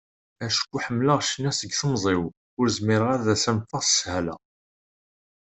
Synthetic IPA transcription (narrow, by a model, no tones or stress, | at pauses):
æʃkʷːuħəmːləʁʃənːæsəɡθəmzˤɪw | ʊɾzmɪɾʁaɾðæsæmfɑʁsə̥shælæ̰